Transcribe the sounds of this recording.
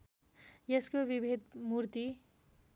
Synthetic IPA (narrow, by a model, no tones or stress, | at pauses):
jeskobibʱed̪muɾt̪i